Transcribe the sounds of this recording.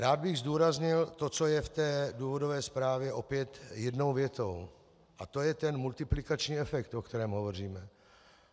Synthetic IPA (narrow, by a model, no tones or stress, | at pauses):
ɾaːd̪̚bɪɣzd̪uːɾazɲɪlt̪o̞t͡so̞jɛft̪ɛːduːvo̞dovɛːspɾaːvjɛʔo̞pjɛt̪jɛdnowvjɛt̪o̞w | ʔat̪ojɛt̪ɛnmult̪ɪplɪkat͡ʃɲiːɛfɛkt̪ʔokt̪ɛɾɛːmɦovo̞r̝iːmɛ